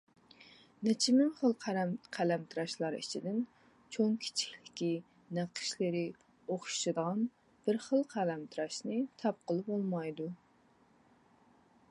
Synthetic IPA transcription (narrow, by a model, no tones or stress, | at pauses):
nɪt͡ʃʰimɪŋχəlˠqʰɾmqʰælɛmt̪ʰɨɾɑʃlˠɑɾḭt͡ʃʰid̪ɪn | t͡ʃʰoŋkʲʰi̥t͡ʃʰi̥kʲlɪkʲi | næqʰə̥ʃlɪɾɪ | oχʃʃɨd̪əʁɑn | b̥ɪɾχəlˠqʰælɛmt̪ʰɨɾɑʃnɨt̪ʰɑp̚qəlˠɨpolˠmɑjd̪u